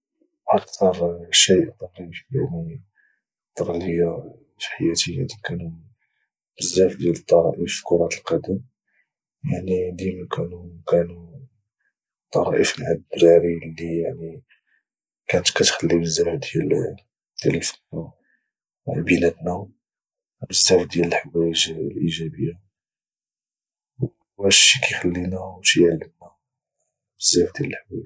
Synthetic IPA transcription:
ʔɑkt̪ɑɾˤʃijʔt̪ˤɑɾifjaʕni | t̪ɑɾˤləjːa | fħajæt̪əjːa̰d̪ikænu | bəzːæfd̪jælət̪ˤːɑɾˤɑʔifkʊɾˤɑt̪əlqɑd̪əm | jaʕnid̪imækʰænukænu | t̪ˤːɑɾˤɑʔiflʕad̪ɾɑɾilːijaʕni | kænət̪kæt̪xəlːibəzːæfd̪jæl | d̪̥æləfu̥n | bənæt̪næ | bəzːæfd̪jæləlħwæʒlʔiʒæbəjːa | w | æʃikæjxəlːinæʃijʕalːəmnæ | bəzːæfd̪jæləlħwæ̰

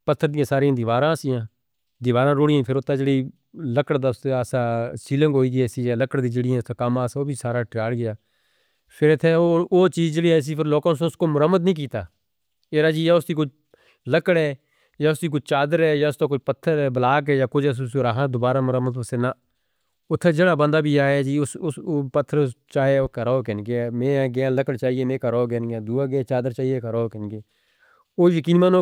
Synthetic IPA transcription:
pət̪ʰːəɾd̪ɪjãːsaːɾiãːd̪ɪʋaːɾãːsɪjãː | d̪ɪʋaːɾãːɾoːɽɪjãːpʰɪɾʊt̪ːaːd͡ʒəɽiː | ləkəɽd̪aːʊseaːsaːsiːlə̃ŋɡɦoːiːd̪iɛːsiːjaːləkəɽd̪ĩːd͡ʒəɽɪɛ̃ːt̪aːkəmaːsoːbʱiːsaːɾaːʈɪjaːɽɡɪjaː | pʰɪɾɪt̪ʰːeːooːt͡ʃiːzd͡ʒəɽiːɛːs̬iːpʰɪɾloːkãːsõʊskoːmʊɾəmːəd̪nəĩːk̬iːt̪aː | eːɾaːd͡ʒiːjaːʊsd̪iːkʊt͡ʃʰ | ləkəɽɛː | jaːʊst̪iːk̬ʊt͡ʃʰt͡ʃaːd̪əɾɛːjaːʊst̪oːkʊt͡ʃpət̪ʰːəɾɛːbəlaːkɛːjaːkʊt͡ʃʰɛːs̬ʊsoɾaːɦad̪oːbaːɾaːmʊɾəmːəd̪pəsɪnaː | ʊt̪ʰːed͡ʒəɽaːbə̃nd̪aːbʱiːaːeːd͡ʒiːʊsʊsopət̪ʰːəɾt͡ʃaːɦeoːkəɾoːkɛnikemẽːɡeãːləkəɽt͡ʃaːɦieːmẽːkəɾoːɡɛːniãːd̪uːaːɡːt͡ʃaːd̪əɾt͡ʃaːɦiekəɾoːkɛnikeː | oːjəkiːnmãːnõː

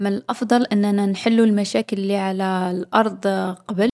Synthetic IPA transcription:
mɪlʔɑfd̪ˤɑlʔɪnːananħɪlːulmaʃaːkɪlːiːʕalalʔɑɾˤd̪ˤqɑbɪl

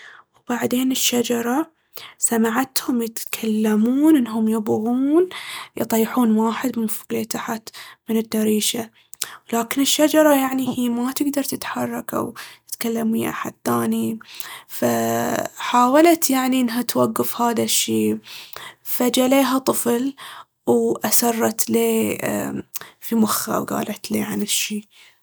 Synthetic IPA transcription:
wbaʕd̪eːnɪʃːad͡ʒɑɾˤɑ | samaʕat̪hʊmjɪt̪kʰalːamuːnʔɪnːɦʊmjɪbɣuːnjɨt̪ˤɑjħuːnwaːħɪd̪mɪnfʊɡleːt̪aħat̪mɪnɪd̪ːaɾiːʃa | laːkɪnɪʃːad͡ʒɑɾˤɑjaʕnihiːmat̪ɪɡd̪ɑɾˤt̪ɪt̪ħɑrˤːɑkʔa̰wt̪ɪ̥t̪kalːamiːʔa̰ħa̰d̪̚θaːnifa | ħaːwalat̪jaʕniʔɪnːɦat̪waɡːafhaːðaʃːiː | fad͡ʒaleːɦat̪ˤɨfl | wʔasɑrˤːɑt̪lḛː | fimʊxːa̰wɡa̰ːlʔat̪leːʕanɪʃːiː

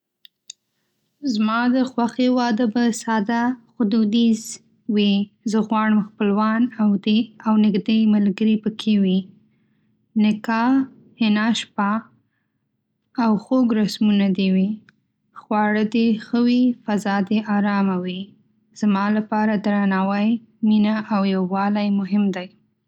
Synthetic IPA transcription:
zmɑd̪əxwaxewɑd̪əbəsɑd̪axʊd̪ud̪iz | wizəɣwɑɽəmxpəlwɑnawd̪eawnɪɡd̪ejmalɡəɾipəkʰewi | nɪkɑ | hɪnɑʃpɑ | awxoɡɾasmunad̪ewi | xwɑɽəd̪exəwifazɑd̪eʔɑɾɑmawi | z̥mɑlapɑɾad̪ɾanɑwaj | minaʔawjawːɑlajmʊɦɪmd̪aj

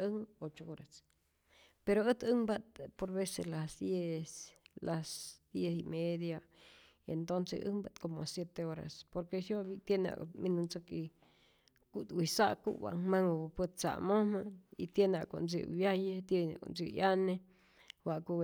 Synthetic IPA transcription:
əŋot͡ʃooɾas | peɾoət̪ɨŋbat̪poɾbeselasd̪jeslasd̪̥jesimed̪ja | ḛnt̪onsḛʔə̰ŋbat̪komosjet̪eoɾa̰spoɾkesjoβit̪jenea̰minunt͡səki | kut̪wʷisaʔkṵwa̰ʔŋmaŋpət̪̚t͡sa̰ʔmomait̪jenea̰ko̰nt͡s̬ḭbjajet̪jena̰ko̰nt͡sijane | waʔku

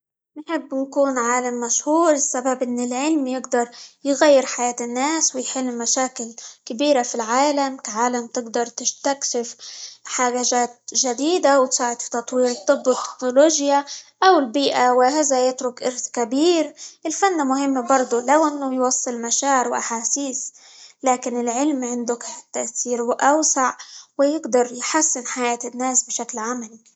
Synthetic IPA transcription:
nħɪbːjkuːnʕaːlamːaʃhuːɾɪsːababʔɪnːɪlʕɪlmjɪɡd̪ɑɾˤjɣajːɪɾħajaːt̪ɪnːaːswɪjħɪlːmaʃaːkɪlkɪbiːɾafilʕaːlamkaʕaːlamt̪ɪɡd̪ɑɾˤt̪ɪʃt̪akʃɪfħaʒaʒaːt̪̚ʒad̪iːd̪awt̪saːʕɪd̪fi̥t̪ɑt̪ˤwiːɾt̪ˤːɨbːɪt̪ːɪ̥knʊloːʒjaʔawɪlbiːʔawɪɦaðajɪt̪ɾʊkʔɪɾθkabiːɾʔɪlfanːamʊhɪmːabɑɾˤd̪ˤʊlawʔɪnːʊjwɑsˤːɨlmaʃaːɪɾwʔaħaːsiːs | laːkɪnɪlʕɪlmʕɪnd̪ʊkɪt̪ːaʔsiːɾwʔawsaʕwɪjɪɡd̪ɑɾˤjħasːɪnħajaːt̪ɪnːaːsbɪʃaklʕamali

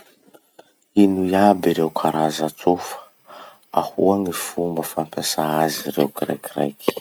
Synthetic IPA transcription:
inujabiɾewkʰaɾazat͡sufə̥ | ahuaŋifumbəfampesaaziɾḛkiɾa̰kira̰jki̥

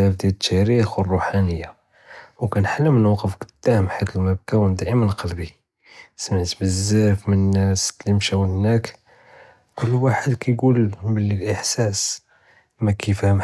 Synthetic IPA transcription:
æfd̪jæd̪ət̪ʰːæɾixwərˤːuħanəjːa | wkænħalːəmənwqəfkd̪ːæhmħat̪əlmæb̚kæwənd̪æʔəmənqɑlbi | səməʕt̪bəzːəɾfmənənːæslːimʃæwəhnæk | kʊlːwaħəd̪kæjɡulbəlːilʔəħsæs | mækʰifæhm

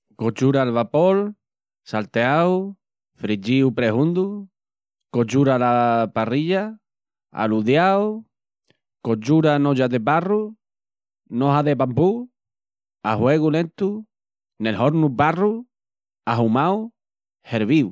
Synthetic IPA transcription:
kot͡ʃuɾalβapol | salt̪eaw | fɾit͡ʃiupɾeɦũnd̪u | kot͡ʃuɾalapariʎa | a̰luðjaw | kot͡ʃuɾanoʎaðeparu | noɦaðepampu | aɦweɣulent̪u | nelɦoɾnubaru | aɦumaw | heɾβiu

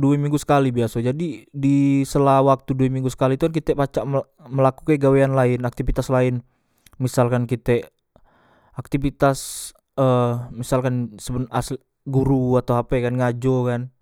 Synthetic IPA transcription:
duɛmiŋɡusə̥kalibiasad͡ʒadidisəlawak̚t̪uduɛmiŋɡusə̥kalit̪ukankit̪ɛpat͡ʃaʔ | məlakukɛɡaweanlaɪnak̚t̪ifit̪aslaɪn | misalkankit̪ɛ | ak̚t̪ifit̪as | əmisalkansəbənasl | ɡuɾuat̪awapaakanŋad͡ʒokan

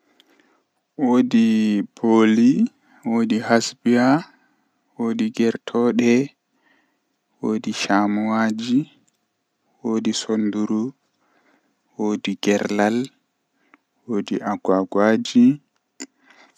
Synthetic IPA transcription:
woːdiboli | wodihasbia | woːdiɡɛɾtʰɔɗɛ | woːdiʃamuwad͡ʒi | woːdisonduɾu | woːdiɡɛɾlal | woːdiʔaɡaɡwad͡ʒi

